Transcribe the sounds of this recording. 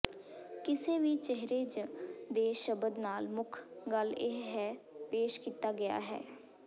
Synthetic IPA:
kɪsẽːʋiːt͡ʃeɦɾeːd͡ʒd̪eːʃəbəd̪naːlmʊkʰɡəlɪɦɦɛːpeːʃkiːt̪aːɡɪja̰ːɦɛ̰ː

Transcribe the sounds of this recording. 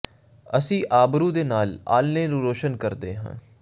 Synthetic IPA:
əsĩːʔaːbɾũːd̪eːnaːla̰ːlneːnũːɾoːʃənkəɾd̪eːɦã̰ː

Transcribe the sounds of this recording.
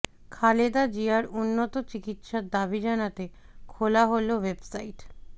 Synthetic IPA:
kʰaled̪ad͡ʑiaɾunːot̪ot͡ɕikit̪ʃad̪abid͡ʑanat̪e | kʰolaɦolowebsaiʈ

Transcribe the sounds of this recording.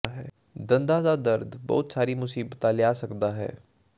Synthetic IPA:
aɦɛː | d̪ə̃nd̪ad̪aːd̪əɾd̪bɔ̰ːt̪saːɾimʊsiːbt̪ãlɪjaːsəkd̪aːɦɛ̰ː

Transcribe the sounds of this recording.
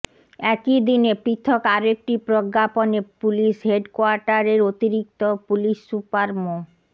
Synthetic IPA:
ɛkid̪inepɾit̪ʰːokaɾoek̚ʈipɾoɡːaponepuliʃɦeɖkoaɾʈaɾeɾot̪iɾik̚t̪opuliʃːupaɾmo

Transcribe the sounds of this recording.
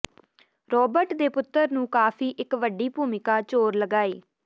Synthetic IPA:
ɾɔːbəɾʈd̪eːpʊt̪ːəɾnũːkaːpʰiːʔɪkʋəɖiːpuːmɪkaːt͡ʃoːɾləɡaːḛː

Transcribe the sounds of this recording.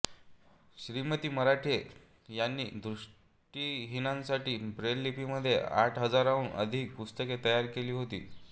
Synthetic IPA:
ɕɾimət̪iːməɾaʈʰe | janːḭːd̪ɾuʂ | ʈiːɦinãnsaʈiːbɾelːipiːməd̪ʱːjḛaʈʰɦəd͡zaɾaʋuɳʔə̰d̪ʱiːk̚pust̪əket̪əjaɾkeliːɦot̪ḭː

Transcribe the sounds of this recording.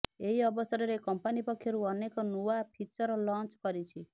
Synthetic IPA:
eɦiɔbɔsɔɾɔɾekɔmpanipɔkʰːjɔɾuɔnekɔnuwapʰit͡ʃɔɾɔlɔ̃nt͡ʃkɔɾit͡ʃʰi

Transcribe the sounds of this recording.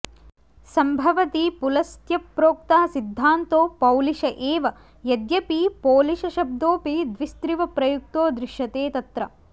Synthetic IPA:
sɐmbʱɐʋɐt̪ipulɐst̪jɐpɾoːk̚t̪aːɐsid̪ʱːaːnt̪oːpɐwliʃɐʔeːʋɐ | jɐd̪jɐpipoːliʃɐʃɐb̚d̪oːpid̪ʋist̪ɾiʋɐpɾɐjuk̚t̪oːd̪ɾɪʃjɐt̪eːt̪ɐt̪ɾɐ

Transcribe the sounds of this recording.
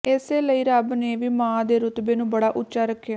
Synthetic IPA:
ɪseːləiːɾəbneːʋiːmãːd̪eːɾʊt̪beːnũːbəɽaːʔʊt͡ʃːt͡ʃːʃaːɾəkʰːejaː

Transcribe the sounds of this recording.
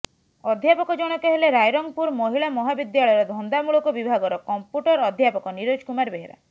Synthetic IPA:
ɔd̪ʱjapɔkɔd͡ʒɔɽ̃ɔkeɦeleɾajɾɔŋɡpuɾmɔɦiɭamɔɦabid̪jaɭɔjɔɾɔd̪ʱɔnd̪amuɭɔkɔbibʱaɡɔɾɔkɔmpjuʈɔɾɔd̪ʱjapɔkɔniɾod͡ʒkumaɾbeɦeɾa̰

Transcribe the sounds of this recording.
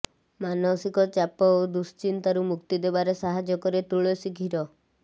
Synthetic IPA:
manɔsikɔt͡ʃapɔod̪ust͡ʃint̪aɾumukt̪id̪ebaɾesaɦad͡ʒɔkɔɾet̪uɭɔsikʰiɾɔ

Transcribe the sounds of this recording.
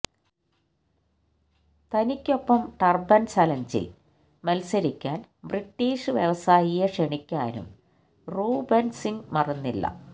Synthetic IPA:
t̪ɐnikʲːo̞pːɐmʈɐrbɐnt͡ɕaːlɐɲd͡ʑḭ | mɐlsɐɾikʲːaːnbriʈːiːʂɨʋjeʋɐsaːjijɐʂeɳikʲːaːnṵm | ruːbensiŋɡmɐrɐnːilːɐ̰

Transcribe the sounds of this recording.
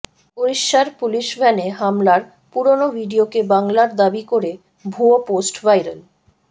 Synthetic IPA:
oɾiʃːaɾpuliʃbʱɛneɦamlaɾ | puɾonobʱiɖiokebaŋlaɾd̪abikoɾe | bʱuoposʈvajɾəl

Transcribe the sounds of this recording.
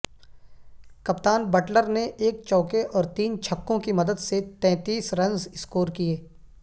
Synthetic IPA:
kɐpt̪aːnbɐʈləɾneʔeːk̚t͡ʃɔːkeʔɔːɾt̪iːnt͡ʃʰɐkːõkimɐd̪əd̪set̪ɛ̃ːt̪iːsɾɐ̃ŋzɪskoːɾkieː

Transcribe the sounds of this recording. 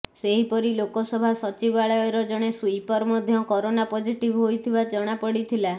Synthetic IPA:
seɦipɔɾilokɔsɔbʱasɔt͡ʃibaɭɔjɔɾɔd͡ʒɔɽ̃esuipɔɾmɔd̪ʱjɔkɔɾonapod͡ʒiʈibɦojt̪ʰibad͡ʒɔɽ̃apɔɽit̪ʰila

